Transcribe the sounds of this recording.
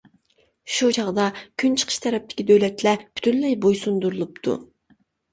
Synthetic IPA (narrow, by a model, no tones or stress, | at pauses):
ʃut͡ʃʰɑʁd̪ɑkʲʰynt͡ʃʰə̥qʰə̥ʃt̪ʰɛɾɛp̚t̪ʰɪ̥kʲid̪øwlɛt̪lɛpʰy̥t̪ʰynlɛjbojsund̪uɾulˠupt̪ʰṵ